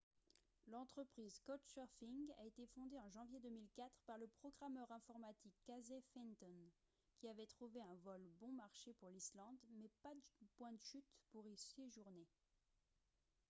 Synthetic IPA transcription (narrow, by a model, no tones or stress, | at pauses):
lɑ̃t̪χəpχizkɔt̪ʃœʁfĩŋɡa̰et̪efɔ̃d̪eɑ̃ʒɑ̃vjed̪əmilkat̪χpaʁləpχɔɡʁamœʁɛ̃fɔʁmat̪ikːazefɛnt̪ɔn | kʲiavɛt̪χuveɛ̃vɔlbɔ̃maʁʃepuʁlislɑ̃d̪mɛpad̪pwɛ̃d̪əʃyt̪puʁiseʒuʁne